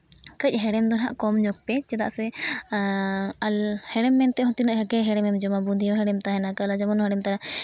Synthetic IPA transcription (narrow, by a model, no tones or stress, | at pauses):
kəc̚ˀɦɛɽɛmd̪ɔna̰ʔkɔmɲɔk̚pɛt͡ʃɛt̪a̰ʔsɛ | lhɛɽɛmːɛnt̪ɛɦɔ̃t̪inəʔɦəɡɛɦɛɽɛmɛmd͡ʒɔmabund̪ʱijɔɦɛɽɛmt̪aɦɛnakəlad͡ʒamɔnɦɛɽɛmt̪aɾa